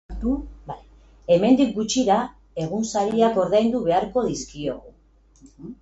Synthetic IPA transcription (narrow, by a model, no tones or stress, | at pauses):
t̪ubaj | e̞me̞nd̪ik̚ɡut͡ʃiɾa | e̞ɣ̞unsaɾiako̞ɾðajnd̪uβe̞aɾko̞ðiskio̞̰ɣu